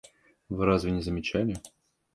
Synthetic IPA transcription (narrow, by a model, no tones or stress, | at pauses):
vɨɾazvʲɪnʲɪzəmʲɪt͡ɕælʲɪ